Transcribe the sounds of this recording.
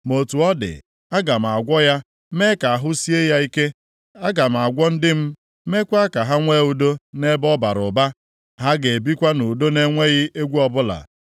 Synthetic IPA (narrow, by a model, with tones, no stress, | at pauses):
mo˨tu˨ɔ˦dɪ̰˨ | a˦ɡa˨m̩˨a˨ɡʷɔ˦ja˦ | me˦ka˨a˨ɦʊ˦si˦e˦ja˦i˦ke˦ | a˦ɡa˨m̩˨a˨ɡʷɔ˦n̩˦dɪ˦m̩˦ | me˦kʷa˦ka˨ɦa˦ŋʷe˦u˦do˦ne˦bɔ˦ba˨ɾʊ̰˨ba˦ | ɦa˦ɡe˨bi˦kʷa˦nu˨do˦ne˦ŋʷe˦ɣɪ˦ʔe˦ɡʷu˦ɔ˦bʊ˦la̰˨